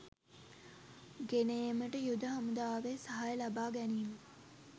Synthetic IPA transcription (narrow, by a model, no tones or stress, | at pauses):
ɡeneːməʈəjud̪əɦamud̪aːʋesaɦajəlabaːɡæniːnu